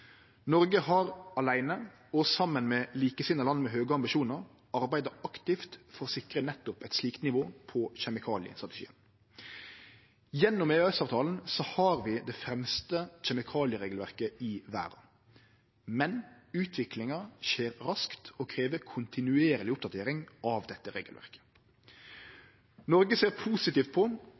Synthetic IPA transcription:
nɔɾɡəɦɑɾɑlæɪnə | ɔsɑmːənmɛliːkəsɪnəlɑnmɛɦøːɡəɑmbɪʃuːnəɾ | ɑʁbæɪd̪əɑkt̪ɪft̪fɔɾɔsɪkɾənɛt̪ːʊpɛɪt̪sliːkt̪nɪʋoːpʰɔçɛmɪkʰɑːlɪə̰st̪ʁɑt̪ɛ̥ʃḭːən | jɛnːʊmeːɛsɑːʋt̪ʰɑːln̩sɔhɑːɾʋɪd̪ɛfɾɛmst̪əçɛmɪkʰɑːlɪəɾeːɡlʋæʁkəɪʋæ̰ːɾɑ̰ | mɛnʉːt̪ʰʋɪklɪŋɑʃeːɾɾɑskt̪ɔkʰɾeːʋəkʰʊnt̪ɪnʉeːɾəlɪʊp̚d̪ɑt̪ʰeːɾɪŋʔɑʋd̪ɛt̪ːəɾḛːɡəlʋæ̰ʁkə̥ | nɔɾɡəseːʁpʰuːsɪt̪iːft̪̚pʰɔ

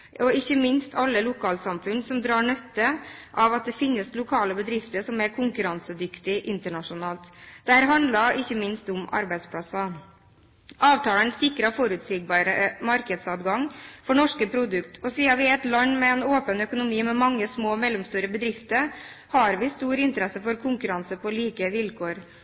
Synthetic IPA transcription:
ʔɔɪçːəmɪnst̪ʰɑlːəlʊkʰɑːlsɑmfʉnsɔmd̪ɾɑːɳœt̪ːəʔɑʋɑt̪̚d̪ɛfɪnːəslʊkʰɑːləbəd̪ɾɪft̪əʂɔmæɾkʰʊŋkʉɾɑnsəd̪ʏkt̪ɪʔɪnt̪əɳɑʂʊnɑːlt̪d̪æːɾɦɑnd̪lɑɪçːəmɪnst̪ʊmɑ̰ɾbæɪd̪spʰlɑsɑ | ʔɑːʋt̪ʰɑːlənsɪkːɾɑfɔɾʉːt̪sɪɡ̚bɑːɾəəmɑɾkəd̪sɑt̪ɡɑŋfɔɳɔʂkəpʰɾʊd̪ʉkt̪ʰɔsiːɑʋɪɛt̪lɑnːmɛɛnoːpənœkʊnʊmiːmɛmɑŋːəsmoːmɛlːɔmst̪ʉːɾəbəd̪ɾɪft̪əɾ | hɑɾʋɪst̪uːɾɪnt̪əɾɛsəfɔɾkʰʊŋkʉɾɑnsəpʰɔliːkəʋɪlkʰoːɾ

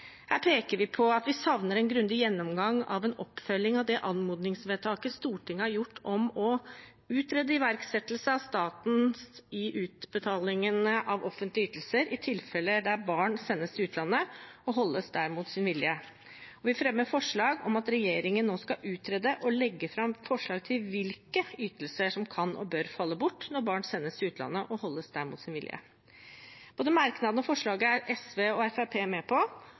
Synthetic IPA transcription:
hæːɾpʰeːkəɾʋɪpʰɔɑt̪ʋɪsɑʋnəɾɛnɡɾʉnd̪ɪjɛnːɔmɡɑŋɑ̰ʋɛnɔpːfœlːɪŋɑʋd̪ɛʔɑnmuːd̪nɪŋsʋeːt̪ʰɑːkəst̪uːʈʰɪŋːəhæɾjʊʈːɔmɔ | ʉːt̪ɾeːd̪əɪʋæɾksɛt̪lsəɑʋst̪ɑːt̪n̩ɪʔʉːt̪bət̪ʰɑːlɪŋənəʔɑʋɔfːənt̪lɪyːt̪l̩səɾʔɪt̪ʰɪlfɛlːəd̪æɾbɑːɳsɛnːəsɪʉːt̪ʰlɑnːəɔɦɔlːəsd̪æɾmuːt̪sɪnʋɪljə | ɔʋɪfɾɛmːəɾfɔʂɭɑːɡɔmɑt̪ɾɛjeːɾɪŋənːoːskɑʔʉːt̪ʰɾɛd̪əʔɔlɛɡːəfɾɑmfɔʂɭɑːɡ̚t̪ʰɪlʋɪlkəyːt̪əlsəʂɔmkʰɑnʔɔ̰bøːɾfɑlːəbʊʈːnɔɾbɑːɳsɛnːəst̪ʰɪʉːt̪ʰlɑ̰nːəʔɔhɔlːəsd̪æɾmuːt̪sɪnʋɪljə̰ | b̥oːd̪əmɑɾknɑd̪nɔfɔʂɭɑːɡəæɾɛsʋeːɔɛfæpʰeːmɛpʰɔ

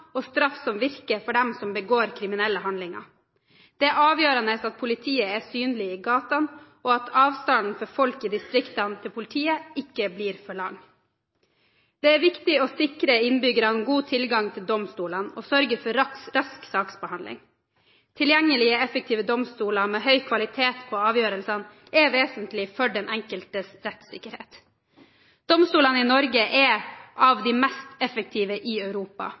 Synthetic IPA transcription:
ɔst̪ɾɑfsɔmʋɪɾkəɾfɔɖɛmsɔmbəɡoːɾkʰɾɪmɪnɛlːəɦɑnlɪŋɑ̰ | d̪̥ɛɑːʋjøːɾɑnəsɑt̪̚pʰʊlɪt̪ʰiːəɛsyːnlɪiːɡɑːt̪ɑnʔɔɑt̪ʰɑːʋst̪ɑnn̩fɔɾfɔlkɪːd̪ɪst̪ɾɪkt̪ɑnt̪ʰɪlpʰʊlɪt̪ʰiːəɪkːəbliːɾfɔɭɑŋ | d̪̥ɛæɾʋɪkt̪ɪɔsɪkɾəɪnbʏɡəɾɑnɡuːt̪ʰɪlɡɑŋt̪ʰɪld̪ɔmst̪uːləno̰ːsœɾɡəɾfɔɾɾɑsksɑːksbəhɑnd̪lɪ̰ŋ | t̪ʰɪljɛŋːəlɪəɛfək̚t̪ʰiːʋəd̪ɔmst̪uːlɑmeːɦœʏkʰʋɑlɪt̪ʰeːt̪pʰɔɑːʋjøːɾəlsɑn | ɛʋeːsənt̪lɪfɔɖɛnʔɛŋkəlt̪əsɾɛt̪sɪ̰kəɾhḛːt̪ | d̪̥ɔmst̪uːlɑnɪnɔɾɡəʔɛʔɑʋd̪imɛst̪ɛfək̚t̪ʰiːʋəʔɪœʉɾuːpɑ̰

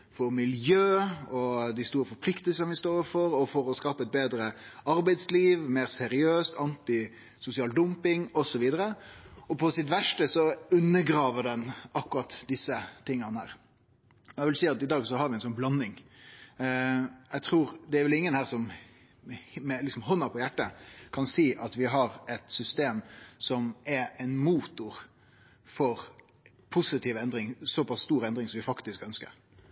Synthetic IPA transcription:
fɔɾmɪljøːɔd̪ɪst̪uːɾəfɔɾpʰlɪkt̪əlsənʋɪst̪oːfɔɾɔfɔɾɔskɑːpəɛt̪̚beːd̪ɾəɑɾbæɪd̪sliːʋmeːɾsɛɾɪøːst̪ʰɑnt̪ɪ | sʊsɪɑːld̪ʊmpɪŋɔsɔʋiːd̪əɾəɔpʰɔsɪt̪ʋæʂʈəsɔʉnːəɡɾɑːʋəɖ̪ɛnɑkːʊɾɑt̪d̪ɪsːət̪ɪŋːənəhæ̰ːɾ | ɔjæʋɪlsiːɑt̪ɪd̪ɑːɡsɔɦɑɾʋɪɛnsɔnblɑnːɪŋ | ɛt̪ʰɾuːɾd̪ɛæɾʋɛlɪŋːənhæːɾsɔm | mɛlɪksɔmɦɔnːɑpʰɔjæʈːəkʰɑnsiːʔɑt̪ʋɪɦɑɾɛt̪sʏst̪eːmsɔmɛɾɛɪnmuːt̪ʊɾ | fɔɾ | pʰʊsɪt̪ʰiːʋɛnd̪ɾɪŋsɔpʰɑsst̪uːɾɛnd̪ɾɪŋsɔmʋɪfɑkt̪ɪskœnskə̰ɾ

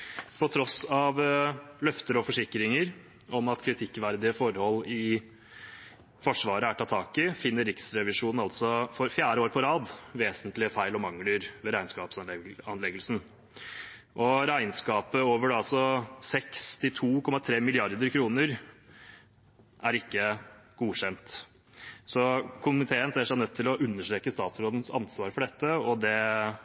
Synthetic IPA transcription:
pʰɔt̪ʰɾɔsɑʋlœft̪əɾɔfɔʂɪkːɾɪŋəɾ | ʔɔmɑt̪kʰɾɪt̪ʰɪkːʋæɾd̪ɪəfɔɾhɔlːɪ | fɔʂʋɑːɾəæʈʰɑːt̪ʰɑːkɪfɪnːəɾɪksɾɛʋɪʂuːnn̩ɑlt̪sɔfɔɾfjæːɾəoːɾpʰɔɾɑːd̪ʋeːsənt̪lɪəfæɪlɔmɑŋːləɾʋɛɾæɪnskɑːpsɑnlɛɡəlsn̩ | ʔɔɾæɪnskɑːpəoːʋəɖɑlsɔsɛkst̪ɪt̪ʰuːkʰɔmːɑt̪ʰɾeːmɪlɪɑɾd̪əɾkʰɾuːnəɾ | ʔæɾɪkːəɡ̥uːɕɛnt̪ | sɔkʰʊmnɪt̪ʰeːənsɛːʂæɪnœt̪ʰːɪlɔʔʉnːəʂʈɾeːkəst̪ɑːt̪sɾoːd̪n̩sɑ̰nsʋɑːɾəfɔɖɛt̪ːəɔd̪ɛ

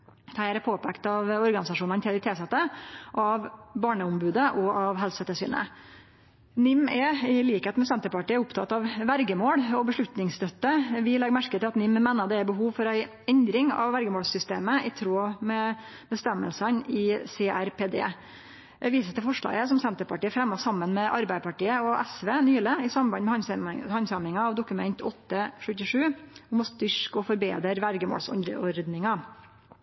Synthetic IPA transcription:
t̪ʰæɪɾɛpʰoːpʰɛkt̪ɑʋɔɾɡɑnɪsɑʂuːnɑnt̪ʰɪlɪt̪ʰeːsɛt̪ːəʔɑʋbɑːɳəʊmbʉːd̪əʔɔɑʋɦɛlsɛt̪əʂy̰ːnə̰ | nʏmːɛɪliːkheːt̪mɛsɛnt̪əpɑʈiːæʊpt̪ʰɑt̪ːɑʋʋæɾɡəmoːɽɔbəʂɭʉt̪nɪŋst̪œt̪ːəʋɪlɛɡmæɾkət̪ʰɪlɑt̪nʏmmeːnəd̪ɛæɾbəɦuːʋfɔɾæɪ | ɛnd̪ɾɪŋɑ̰ʋːæɾɡəmoːɽsʏst̪ḛːməʔɪt̪ʰɾoːmɛ | bəst̪ɛmːə̰lsənɪseːʔæɾpeːd̪ḛː | ɛʋiːsət̪ɪlfɔʂɭɑ̰ːɡəsɔmsɛnt̪əɾpʰɑʈiːəfɾɛmːɔsɑmːənmɛʔɑɾbæɪəpɑʈiːəɔʔɛsʋeːnyːləɪsɑmbɑnmɛhɑhɑnsɑmɪŋɑɑʋd̪ʊkʉmɛnt̪ʰɔt̪ːəʂʉt̪ːɪʂʉːɔmɔst̪ʏʂkɔfɔɾbḛːd̪əɾʋæɾɡəmo̰ːlsɔ̰nɾəɔɾd̪nɪŋɑ

